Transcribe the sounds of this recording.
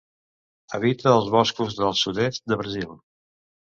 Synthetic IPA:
ə̰βit̪əːlˠzβɔskuzðəlˠsuðest̪̚d̪əβɾəzilˠ

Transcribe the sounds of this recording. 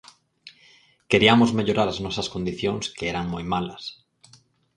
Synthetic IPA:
keɾiamozmeʎoɾaɾaznɔsɐskond̪iθjoŋskeɛɾaŋmojmalɐs

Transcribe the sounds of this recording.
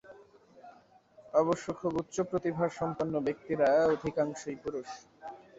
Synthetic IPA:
ɔβoʃːokʰoɡut̪ːɕopɾot̪ibʱaɾʃɔmponːobek̚t̪iɾaeod̪ʱikaŋʃojpuɾuʃ

